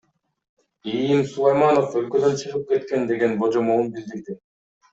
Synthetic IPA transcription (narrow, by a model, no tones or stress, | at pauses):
ijimsulˠajmano̞følkø̞d̪ø̞nt͡ʃʰɯʁɯp̚ke̞t̪ke̞nd̪e̞ɡe̞nbo̞d͡ʒomuunbild̪iɾd̪i